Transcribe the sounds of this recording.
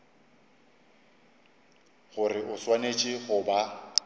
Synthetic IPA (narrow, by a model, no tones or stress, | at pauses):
ɣʊrɪʔʊswanet͡ʃʼɪɣʊba